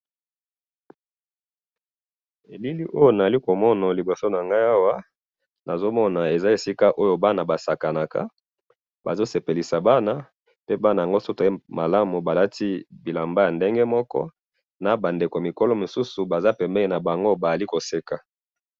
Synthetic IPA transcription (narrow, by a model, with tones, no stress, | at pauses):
e˨li˦li˦ʔo˦jo˦na˨a˨li˦ko˨mɔ˦na˨li˨bo˨so˦na˨ŋɡa˦ja˦wa˦ | na˨zo˦mɔ˦na˨e˨za˦e˨si˦ka˦ʔo˦jo˦ba˦na˨ba˨sa˨ka˨na˨ka̰˦ | ba̰˨zo˦se˨pe˨li˨sa˨ba˦na˨ | pe˦ba˦na˨ja˨ŋɡo˦so˦to˨˦ma˨la˦mu˨ba˨la˦ti˦bi˨la˨mba˦ja˨nde˦ŋɡe˦mɔ˦kɔ̰˦ | na˨ba˨nde˨ko˨mi˨ko˦lɔ˦mo˨su˦su˨ba˨za˦pɛ˨mbe˦li˦˨na˨ba˨ŋɡo˦ba˨a˨li˦ko˨se˦ka˨